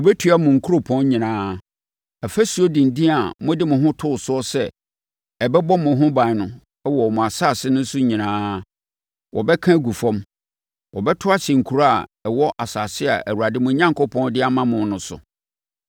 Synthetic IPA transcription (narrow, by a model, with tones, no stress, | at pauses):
wɔ˨bɛ˦tʰɥa˦mʊ̃˨ŋ̩˨kʰu˦ɾo˦pʰɔ̃˦n˦ɲĩ˨nãː˦ | ɛ˨fæ˦su˨˦o˦dĩ˨n˨dĩ˦a˨mʊ̃˦dɪ˦mʊ̃˨ɦʊ̃˦tʰʊ˦˨sʊ˦ɔ˦sɛ˦ | ɛ˨bɛ˦bɔ˦mʊ̃˨ɦʊ̃˦bã˨nʊ̃˦ | ɛ˦wɔ˨ɔ˨mʊ̃˨a˨saː˦˨sɪ˦nʊ̃˦n̩˦sʊ˦ɲĩ˨nãː˦ | wʔɔ˨bɛ˦kʰã˦ɡu˨fɔ̃˦m | wɔ˨bɛ˦tʰʊ˦a˦ɕɛ̃˨ŋ̩˨kʰu˨ɾa˦a˨ɛ˨wɔ˦ʔa˨saː˨sɪ˦a˨ʔæ˨wu˨a˨dɪ˦mʊ̃˨ɲã˦ŋko˦pʰɔ̃˦ndɪ˦a˨mã˦mʊ̃˨˦nʊ̃˨sʊ̰˨